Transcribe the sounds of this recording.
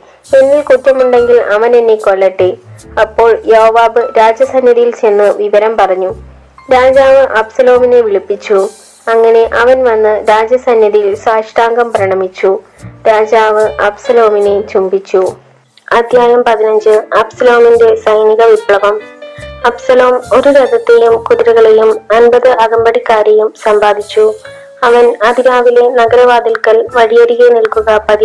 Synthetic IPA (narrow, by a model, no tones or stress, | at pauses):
enːilkuʈːɐmuɳɖe̞ŋɡilɐʋɐnenːeko̞ɭːɐʈːeɐpːo̞ːɭjoːʋaːbɨɾaːd͡ʑjɐsɐnjɐðijilt͡ɕe̞nːɨʋiʋɐɾɐmpɐrɐɲːu | ɾaːd͡ʑaːʋɨʔɐbsɐlo̞ːmineʋiɭipːit͡ɕːu | ɐŋːɐne̞ʔɐʋɐnʋɐnːɨɾaːd͡ʑjɐsɐnjɐðijilsaːʂʈaːŋɡɐmprɐɳɐmit͡ɕːu | ɾaːd͡ʑaːʋɨʔɐbsɐloːminet͡ɕumbit͡ɕːu | ɐd̪ʱjaːjɐmpɐðinɐɲd͡ʑɨɐbsɐloːminde̞sɐjniɣɐʋipɭɐʋɐmɐbsɐlo̞ːmo̞ɾuɾɐd̪ʱɐt̪ːejumkuðiɾɐɣɐɭejumɐnbɐðɨʔɐɣɐmbɐɽikːaːɾejumsɐmbaːd̪ʱit͡ɕːu | ɐʋɐnɐd̪ʱiɾaːʋile̞nɐɡɐɾɐʋaːd̪ilkɐlʋɐɻijɐɾiɣenilkuɣɐpɐði